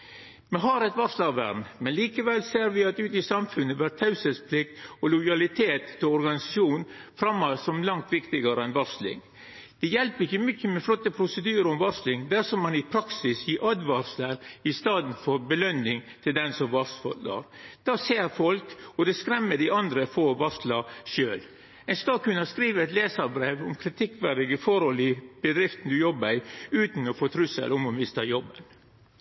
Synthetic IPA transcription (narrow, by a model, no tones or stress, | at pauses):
mɛɦɑɾɛt̪ʋɑɾslɑʋæ̰ɾmmɛnliːkəʋɛlseːɾʋɪɑt̪ʉːt̪ɪsɑmfʉnːəʋæɾt̪ʰɑʉsəspʰlɪk̚t̪ɔlʊjɑlɪt̪ʰeːt̪ʰːɪlɔɾɡɑnɪsɑ̥ʂuːnn | fɾɑmːosɔmlɑŋt̪ʋɪkt̪ɪɡəɾəɛnʋɑɾslɪ̰ŋ | d̪̥ɛjɛlpɾɪçːəmʏçːəmɛflɔt̪ːəpʰɾʊsəd̪yːəɾəɔmʋɑɾslɪŋd̪æɾʂɔmːɑnɪpʰɾɑksɪsjiːʔɑd̪ʋɑɾsləɾɪst̪ɑːd̪n̩fɔɾbəlœnɪŋt̪ʰɪld̪ɛnsɔmʋɑst̪fɔ̰d̪ə̰ɾd̪̥ɑːseːɾfɔlkɔd̪ɛskɾɛmːəd̪ɪɑnd̪ɾəfɔɾɔʋɑɾst̪lɑʃøːl | ɛskɑkʉnːɑskɾiːʋəɛt̪leːsəɾbɾeːʋɔmkʰɾɪt̪ʰɪkːʋæɾɪɡəfɔɾhɔlɪb̥əd̪ɾɪft̪n̩d̪ʉjɔbd̪æɪʉːt̪n̩ɔfoːt̪ʰɾʉsə̰lʔɔmɔmɪst̪ɑjɔbːən